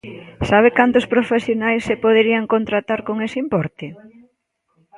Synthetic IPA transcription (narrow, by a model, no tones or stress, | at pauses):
saβ̞ekant̪ʊspɾofesjonajsːepoð̞eɾiaŋkont̪ɾat̪aɾkoŋesɪimpɔɾt̪ɪ